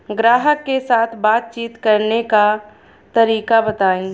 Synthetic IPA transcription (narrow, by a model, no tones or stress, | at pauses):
ɡɾaːɦəkːesaːt̪ʰbaːt̪̚t͡ʃiːt̪kɐɾneka | t̪ɐɾiːkabət̪aːẽː